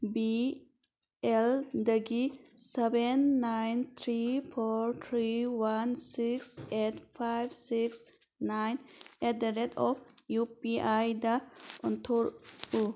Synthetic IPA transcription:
bi | ɛld̪əɡisɛbenːajnt̪ʰɾifʰɔɹt̪ʰɾiwansiksetfaɪbsiks | najnɛt̚d̪əɾɛd̪ɔfjupiʔajd̪aʔɔnt̪ʰuɾu

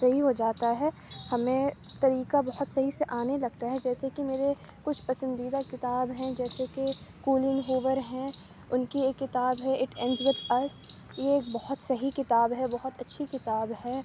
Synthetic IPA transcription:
sɐɦiɦod͡ʒaːt̪aɦɛː | hɐmẽt̪ɐɾiːkabɐɦʊt̪sɐɦiseʔaːnelɐɡ̚t̪aɦɛd͡ʒɛːsekimeːɾe | kʊt͡ʃʰpɐsə̃nd̪iːd̪akɪt̪aːbɦɛ̃d͡ʒɛːsekekuːlɪ̃ŋɦoːʋəɾɦɛ̃ | ʊnkieːkːɪt̪aːbɦɛɪʈɛ̃nd͡ʒʋɪd̪ɐs | jeːk̚bɔɦʊt̪sɐɦikɪt̪aːbɦɛbɐɦʊt̪ɐtːʃʰikɪt̪aːbɦɛː

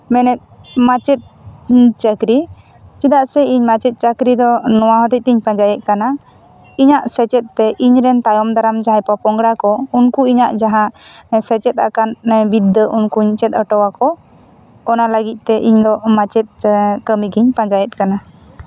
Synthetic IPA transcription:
mɛnɛt̪̚mat͡ʃɛt̪̚t͡ʃəkɾi | t͡ʃid̪aʔsɛiɲmat͡ʃɛt̪̚ˀt͡ʃəkɾid̪ɔnɔwaɦɔt̪ic̚iɲpãɲd͡ʒajɛt̪̚kana | iɲaʔsɛt͡ʃɛt̪̚ːɛʔiɲɾɛnt̪ajɔmd̪aɾamd͡ʒaɦɛpɔpɔŋɡɽakɔunkuiɲaʔd͡ʒaɦãsɛt͡ʃɛt̪̚a̰kanbid̪ːəʔunkuɲt͡ʃɛt̪̚əʈɔwakɔː | naləɡit̪̚ˀt̪ɛʔiɲd̪ɔmat͡ʃɛt̪̚kəmiɡiɲpãɲd͡ʒajɛt̪̚kana

